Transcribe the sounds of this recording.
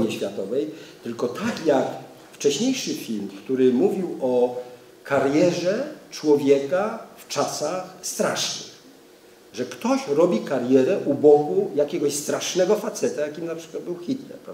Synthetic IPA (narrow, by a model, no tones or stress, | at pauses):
ɲiɕfʲjat̪ɔvɛjt̪ɘlkɔt̪akjak | ft͡ʂɛɕɲejʂɘfʲilmkt̪uɾɘmuvʲiwɔ | kʰaɾjɛʐɛt͡ʂwɔvʲjɛkaft͡ʂasaxst̪ɾaʂnɪ̰x | ʐɛkt̪ɔɕɾɔbʲikaɾjɛɾɛʔubɔkujakʲɛɡɔɕst̪ɾaʂnɛɡɔfat̪sɛt̪ajakʲimnapʂɘ̥kwad̪̚bɘwxʲit̪nɛ̰pɛv